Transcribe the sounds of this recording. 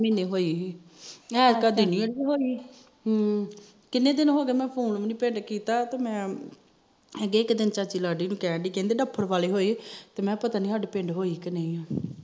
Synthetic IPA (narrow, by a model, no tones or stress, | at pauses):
mẽːnẽːɦoːiː | ɛːkəd̪iːnĩːəɖiːɦoːiː | kɪnːẽːd̪ɪnɦoːɡeːmɛ̃ːpʰoːnʋniːpẽːɳɖkiːt̪aːt̪eːmɛ̃ː | əɡeːɪkd̪ɪnt͡ʃaːt͡ʃiːlaːɖiːnũːkɛ̃ːɖiːkɛ̃ːnd̪eːɖəpʰːəɾʋaːleːɦoːiːt̪eːmɛ̃ːpət̪aːniːəɖpẽːɳɖɦoːiːkəneːĩaː